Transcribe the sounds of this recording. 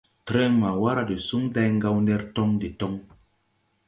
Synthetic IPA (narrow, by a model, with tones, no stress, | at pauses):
tɾe˦ŋma˨wa˦ɾa˨de˨su˦ŋda˦jŋɡa˦wnɛ˦ɾtɔ˦ŋde˨tɔ˦ŋ